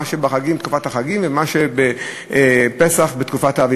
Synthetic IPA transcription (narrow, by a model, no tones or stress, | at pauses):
aʃebaχaɡimt̪kufathaχaɡimvemaʃebe | pesaχbetkufataːvi